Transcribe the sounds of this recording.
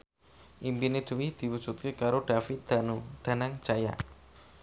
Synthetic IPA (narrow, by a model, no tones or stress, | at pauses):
ʔimbined̪̥əwid̪̥i̤wud̥ʒ̥ut̪̚kekaɾoɖ̥afit̪̚d̪̥a̤nud̪̥a̤naŋt͡ʃaja̰